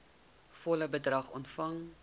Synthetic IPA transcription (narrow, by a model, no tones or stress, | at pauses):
fɔləbədrɐχɔ̰ntfɐŋ